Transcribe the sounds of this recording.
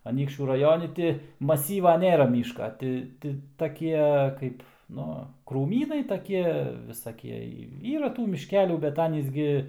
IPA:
ɐˈnʲiːkʃʲt͡ʃʲuː rɐˈjoːnʲɪ tʲɪ mɐˈsʲiːʋɐ ˈnʲeːrɐ ˈmʲiːʃkɐ ˈtʲɪ tʲɪ tɐˈkʲiɛ ˈkɐɪp ˈnʊ kruːˈmʲiːnɐɪ tɐˈkʲiɛ ʋʲɪsɐˈkʲiɛ ˈiːrɐ ˈtuː mʲɪʃʲˈkʲæːlʲuː bʲɛt ˈɑːnʲiːs ɡʲɪ

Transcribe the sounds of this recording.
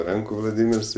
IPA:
ˈrɐŋkuː ʋlˠɐˈdʲiːmʲɪrs ɪ

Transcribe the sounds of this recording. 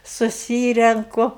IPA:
sʊˈsʲiːrʲɛŋkʊ

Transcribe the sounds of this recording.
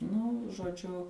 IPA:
nʊ ʒoːˈd͡ʒʲʊ

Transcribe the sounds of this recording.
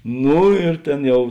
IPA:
ˈnuː ɪr ˈtʲeːn ˈjɛʊ

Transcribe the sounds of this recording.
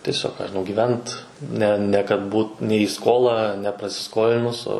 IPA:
tʲiɛˈsʲoːk kɑː ʒʲɪˈnɐʊ ɡʲiːˈʋʲɛnt ˈnʲɛ nʲɛ kɐt ˈbuːt nʲɛ iː ˈskoːlˠɑː nʲɛprɐsʲɪˈskoːlʲɪnʊs oː

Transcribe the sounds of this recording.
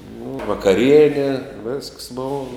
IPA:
nʊ ʋɐkɐˈrʲiɛnʲɛ ʋʲɛsks ˈboːʋɐ

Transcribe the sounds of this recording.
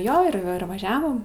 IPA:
ˈjoː ɪr ˈɪr ʋɐˈʒʲæːʋoːm

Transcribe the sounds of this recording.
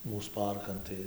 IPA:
ˈmuːs ˈpɐrkɐn tɐɪ

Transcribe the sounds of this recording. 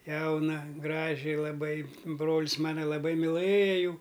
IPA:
ˈjɛʊnɐ ˈɡrɑːʒʲɪ lˠɐˈbɐɪ ˈbroːlʲɪs ˈmɑːnɐ lˠɐˈbɐɪ mʲɪlˠɘjɛ ˈjuː

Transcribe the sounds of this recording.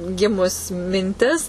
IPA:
ˈɡʲɪmʊs mʲɪnʲˈtʲɪs

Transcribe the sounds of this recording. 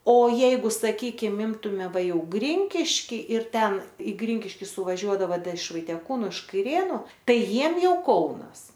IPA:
oː ˈjɛɪɡʊ sɐˈkʲiːkʲɪm ˈɪmtʊmʲɛ ˈʋɐ ˈjɛʊ ˈɡrʲɪŋʲkʲɪʃʲkʲiː ɪr ˈtʲɛn ɪ ˈɡrʲɪŋʲkʲɪʃʲkʲɪ sʊʋɐˈʒʲuɔdɐʋɐ ˈdɐ ɪʃ ʋɐɪtʲiɛˈkuːnʊ ɪʃ kɐɪˈrʲeːnʊ ˈtɐɪ ˈjiɛm ˈjɛʊ ˈkɐʊnɐs

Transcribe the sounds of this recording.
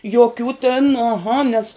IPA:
joːˈkʲuː tʲɪn ɐˈɣɐ nʲeːs

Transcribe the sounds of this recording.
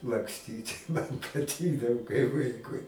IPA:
lˠɐkˈsʲtʲiːtʲ mɐn pɐˈtʲɪɡdɐʋoː kɐɪ ˈʋɐɪkʊɪ

